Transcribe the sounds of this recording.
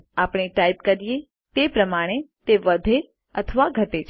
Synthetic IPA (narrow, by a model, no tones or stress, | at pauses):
apɽ̃eʈaipkəɾije | t̪epɾəmaɽ̃et̪eʋəd̪ʱe | ət̪ʰəʋaɡʱət̪et͡ʃʰ